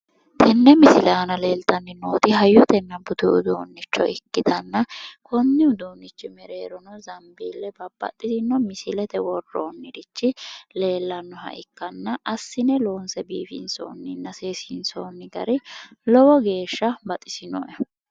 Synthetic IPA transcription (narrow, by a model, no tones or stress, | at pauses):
t̪ʰɛnːɛmɪsɪlɛɐnɐle̞ːlt̪ɐnːɪnoːt̪ɪɦɐjːɔt̪ɛnːɐbʊt̪ʊʊd̪oːnːɪt͡ʃːɔ̰ʔɪkːɪt̪ɐnːɐkʰɔnːɪʊd̪oːnːɪt͡ʃːɪmɛɾeːɾɔnɔzɐmbiːlːɛbɐbɐ̰t̪ʼːɪsɪnːɔmɪsɪlɛt̪ɛwɔrːo̰ːnːɪd̪ɪt͡ʃːɪle̞ːlːɐnːɔhɐ̰ʔɪkːɐnːɐʔɐsːɪnɛlo̞ːnsɛbiːfɪ̰nso̰ːnːɪnːɐseːsɪnsoːnːɪɡ̪ɐ̰ɾɪlɔwɔɡe̞ːʃːɐbɐt̪ʼɪsɪnɔ̰ʔɛ